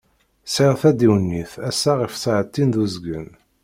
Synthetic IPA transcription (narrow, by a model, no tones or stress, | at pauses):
siʁθæd̪iwnːiθæsːaʁifsʕət̪ːind̪uzɡən